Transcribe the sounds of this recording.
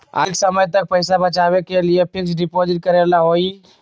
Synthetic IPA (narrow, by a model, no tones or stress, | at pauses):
a̰ksəməjt̪̬ɐk̚pəɪsabɐt͡ʃaːwekeliepʰɪksɖɪpɔːd͡ʒɪʈ̚kɐɾelaɦoːi